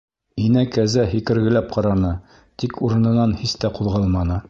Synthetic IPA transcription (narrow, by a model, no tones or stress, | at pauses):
inækæzæhikɘ̆ɾɡɘ̆læp̚qɑɾɑnɤ | t̪ikuɾɤ̆nɤ̆nɑnhist̪æquðʁɑlˠmɑnɤ